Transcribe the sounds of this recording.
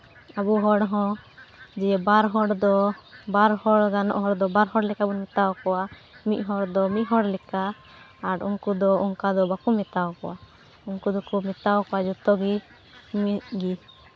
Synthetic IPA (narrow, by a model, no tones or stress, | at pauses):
abuɦɔɽɦɔ̃ | d͡ʒɛɛbaɾɦɔɽd̪ɔbaɾhɔɽɡanɔ̰ʔɦɔɽd̪ɔbaɾɦɔɽlɛkabɔnmɛt̪awkɔa | mit̪̚ˀɦɔɽd̪ɔmit̪̚ɦɔɽlɛkaː | ɾuŋkud̪ɔuŋkad̪ɔbakumɛt̪awkɔwa | uŋkud̪ɔkumɛt̪awkɔwad͡ʒut̪ɔɡi | miɡi